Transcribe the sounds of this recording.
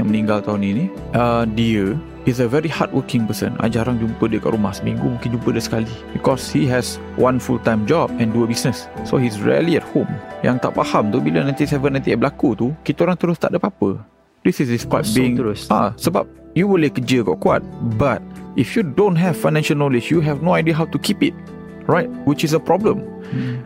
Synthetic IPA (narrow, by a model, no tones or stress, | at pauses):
jãŋmə̃nĩŋɡalt̪aʊnini | ʔədiə | is̬əvɛɾiha̰t̚wəkɪ̃ŋpəsə̰na̰d͡ʒaɾaŋd͡ʒumpədiəka̰ʔɾumahsəmĩŋɡumũŋkɪnd͡ʒumpədəsə̥kalibikɔshiɦɛs | wʔãnfult̪ãjmd͡ʒɔb̚ɛ̃nduəbisnəsːo̰ɦis̬ɹḭəliɛt̚hõmjaŋt̪aʔpahamt̪ubilənãj̪̃t̪isɛvənːãj̃t̪iɛbəlakut̪ukit̪əoɾãŋt̪əɾʊst̪a̰ʔdəpapə̰ | disisdispajt̚biĩŋsa̰səba̰p̚juwilekːəd͡ʒəkɡɔ̰ʔkua̰t̚bat̚ʔifjudõntɦɛv̥fajnɛ̃nʃəlnolɪd͡ʒjuɦɛvnoajdiəɦawtukipit̚ | ɹajt̚wit͡ʃis̬əpʔɔblə̃m